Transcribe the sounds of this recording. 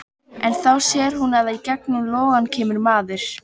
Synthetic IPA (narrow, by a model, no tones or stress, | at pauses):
ɛnθawsjɛːɾ̥hunaðaicɛknʏmlɔːɣancʰɛːmʏɾmaːðɪɾ̥